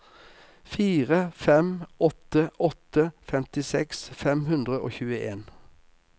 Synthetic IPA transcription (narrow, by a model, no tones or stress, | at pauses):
fiːʁəfɛmɔt̪əʔɔt̪əfɛmt̪ɪsɛksfɛmhʉnd̪ʁəʔo̰ːçʉːəʔeːn